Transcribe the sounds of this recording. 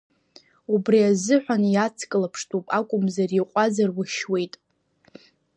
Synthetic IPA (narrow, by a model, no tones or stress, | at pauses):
ubriazɨħʷᶣanjat͡sʰkʼɨlapʰʂtʰʼupʼakʷʼʊmzariqʷʼazarwʊʃwe̞jtʼ